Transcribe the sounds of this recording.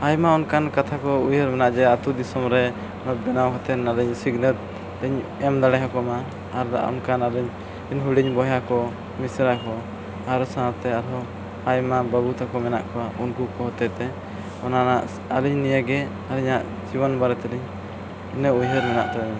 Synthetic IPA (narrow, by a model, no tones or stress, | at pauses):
ajmaunkankat̪ʰakɔujɦəɾmɛnaʔd͡ʒɛat̪ud̪isɔmɾɛ | ɔnɔbɛnawɦɔt̪ɛnalɛɲsiɡnəɾ | lɛɲɛmd̪aɽɛɦɔkɔmaː | ɾda̰ɔ̰nkanaliɲ | inɦuɽiɲbɔɦjakɔ | misɾakɔ | aɾsanat̪ɛaɾɦɔ | ajmabəbut̪akɔmɛna̰ʔkɔwaʔunkukɔɦɔt̪ɛt̪ɛ | ɔnanaʔ | aliɲnijəɡɛ | aliɲaʔ | d͡ʒiwɔnbaɾɛt̪ɛliɲ | inəujɦəɾmɛnaʔt̪ɛɛ